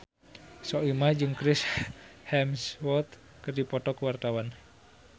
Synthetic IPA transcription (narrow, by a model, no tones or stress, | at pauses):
sɔimad͡ʒɨŋkɾɪshɛmswɔt̪ | kərdipɔt̪ɔkəwart̪awan